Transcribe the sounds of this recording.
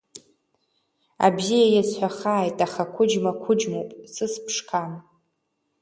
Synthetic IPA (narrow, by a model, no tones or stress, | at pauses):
a̰bzijajat͡sħʷaχaːjtʼaχakʷʰʊd͡ʒmakʷʰʊd͡ʒmowpʼsɨspʰʂkʰan